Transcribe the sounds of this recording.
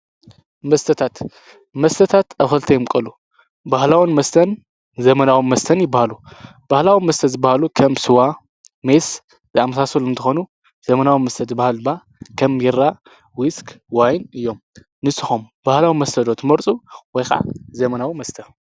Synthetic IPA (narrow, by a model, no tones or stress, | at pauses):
mɐst̪ʰɐt̪ʰat̪ | mɐst̪ʰɐt̪ʰat̪ʔaxɨlt̪ʰɐjɪmkʼɐlu | bahlawinmɐst̪ʰɐn | zɐmɐnawimɐst̪ʰɐnjɪbːahalu | b̥ahlawimɐst̪ʰɐzɨbːahalukʰɐmsɨwa | mes | zɨamːɐsasɐluɨnt̪ʰɨxonu | z̥ɐmɐnawinmɐst̪ʰɐzɨbahalba | kʰɐmjɪɾa | wiskʰʼwajnɨjːo̞m | nɨsɨxom | b̥ahlawimɐst̪ʰɐd̪ot̪ʰɨmɐɾt͡sʼuwɔjxaʕa̰zɐmɐnawimɐst̪ʰɐ